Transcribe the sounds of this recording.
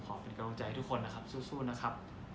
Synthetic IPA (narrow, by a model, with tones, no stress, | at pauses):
kʰɔː˩˦pe˧nka˧u˧ŋt͡ɕa˧jt̪ʰu˦˥kʰːo˧nːa˦˥kʰa˦˥p̚suː˥˩suː˥˩na˦˥kʰa˦˥p̚